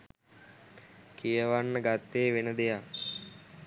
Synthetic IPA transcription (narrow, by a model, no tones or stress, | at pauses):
kʰijəʋanːəɡat̪ːeːʋenəd̪eja